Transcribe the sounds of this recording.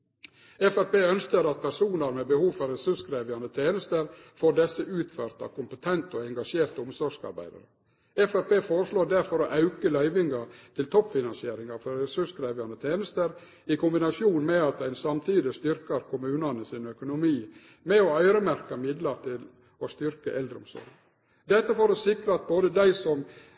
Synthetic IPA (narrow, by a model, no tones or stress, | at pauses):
ɛfæɾpeːœnskəɾɑt̪̚pʰæɾʂuːnɑɾmɛbəhuːfɑɾɛsʉʂkɾeːʋəɑnət̪ʰeːnəst̪əɾfoːɾɖɛsəʔʉːt̪fœɾt̪ɑ̰kʰʊmpət̪ʰɛnt̪oɛŋɡɑʂeːɾt̪ʊmsɔɡʂɑ̰ɾbæ̰ɪd̪ɑ̰ɾə | ɛfæɾpeːfoːɾəʂloːɖæɾfɔɾoʔɑʉkəlœʏʋɪŋɑt̪ʰɪlt̪ʰɔpːfɪnɑnsɪeːɾɪŋɑfɔɾɾɛsʉʂkɾæɪʋɑnət̪ʰeːnəst̪əɾ | ɪkʰʊmbɪnɑʂjuːnmɛɑt̪̚d̪æɪnsɑmt̪ʰiːd̪ɪst̪ʏɾkəɾkʰʊmʉːnɑnəsinœkʊnʊmiː | mɛɔœʏɾəmæɾkɑmɪd̪lɑɾt̪ʰɪl | ɔst̪ʏɾkə̰ʔɛld̪ɾəʊ̰msɔ̰ɾɡ | d̪ɛt̪ːəfoːɾɔsɪkɾəɑt̪̚boːd̪əd̪æɪsɔm